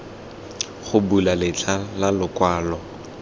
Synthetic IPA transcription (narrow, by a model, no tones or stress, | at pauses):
χʊbulalɪt͡ɬʰʼalalʊkwaːlɔ